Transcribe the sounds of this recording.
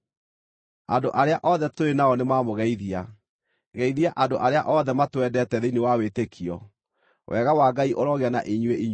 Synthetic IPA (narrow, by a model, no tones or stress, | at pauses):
andoʔaɾeaʔɔðɛtoɾenaɔnemaːmoɣɛiðia | ɣɛiðiaʔandoʔaɾeaʔɔðɛmatwɛdɛtɛðeinewawetekʰiɔ̰ | wʔɛɣawaɡaiʔoɾɔɣeana̰ʔeɲweiɲ